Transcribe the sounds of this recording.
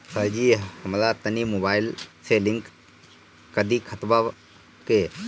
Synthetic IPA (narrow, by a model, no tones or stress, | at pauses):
səd͡ʒihəmlat̪ənimobaːɪlselɪŋk | kəd̪ikʰət̪ba | ke